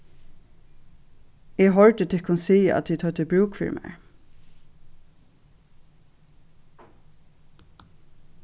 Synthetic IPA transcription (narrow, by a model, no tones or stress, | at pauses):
ɛɦɔɹd̪ət̪ʰɪkʰʊnsiːəæ̰t̪ʰːiːt̪ʰœt̪əbɹuːkfḭɹmɛ̰ɹ